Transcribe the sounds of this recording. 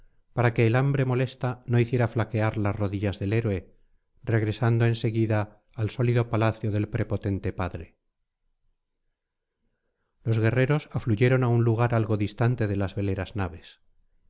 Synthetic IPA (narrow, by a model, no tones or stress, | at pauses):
paɾake̞ːlambɾe̞mo̞le̞st̪ano̞iθje̞ɾaflake̞aɾlasro̞ðiʝazðe̞le̞ɾwe̞ | re̞ɣɾe̞sand̪o̞ense̞ɣiðaː | lso̞liðo̞palaθjo̞ðe̞lpɾe̞po̞t̪e̞nt̪e̞paðɾe̞ | lo̞zɣe̞re̞ɾo̞safluʝe̞ɾo̞naunluɣ̞aɾalɣo̞ðist̪ant̪e̞ðelazβe̞le̞ɾaznaβe̞s